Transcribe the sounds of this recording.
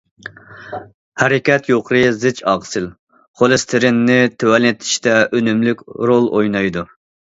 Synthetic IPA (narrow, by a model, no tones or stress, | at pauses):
hæɾɪkʲɛt̪joqʰɾɨzɪt͡ʃɑʁə̥sɨl | χolˠɨst̪ʰɪɾɪnːɪt̪ʰøwɛlnt̪ʰɪ̥ʃt̪ɛʔønymlykʲɾolˠʔojnɑjd̪u